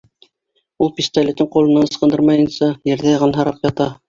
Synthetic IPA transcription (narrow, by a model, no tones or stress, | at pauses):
ulˠpʲist̪alʲet̪ːɘɴqulˠɤ̆nɑnɤ̆sqɤ̆nd̪ɤɾmɑjɤ̆nsɑjɘ̆ɾðæjɑʁɑnɦɑɾɑpjɑt̪ɑ